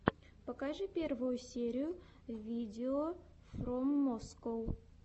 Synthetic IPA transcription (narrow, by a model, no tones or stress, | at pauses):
pɐkaʐɨpʲe̞rvʊjʊsʲeɾʲɪjʊ | vʲidʲɪo | fromːoskow